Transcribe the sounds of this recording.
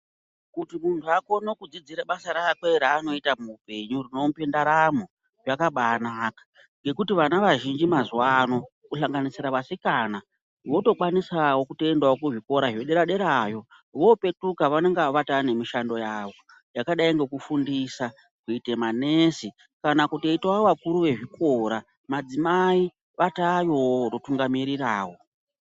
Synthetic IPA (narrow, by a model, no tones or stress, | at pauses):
kutimuntʰuako̞nokud͡zid͡ziɾaɓasaɾaːkweɾaːno̞itamupe̞ɲurino̞mupendaɾamo̞ | jakaɓanaːkḁ | ŋɡe̞kutiʋanaʋaʒind͡ʒimazuwano̞ | kuɬaŋɡanisiɾaʋasikana | ʋo̞to̞kwanisawo̞kuteendwaokuʐiko̞ɾaɦjoɗe̞ɾaɗe̞ɾajo̞ | ʋo̞pe̞tukaʋane̞ŋɡaʋatane̞miʃando̞jaʋo | jakaɗaiŋɡe̞kufundisa | kuite̞manesi | kanakuteitaʋakuɾuʋe̞ʐikʰoɾa | mad͡zimai | ʋatajo̞rotuŋɡamiɾiraːwo̞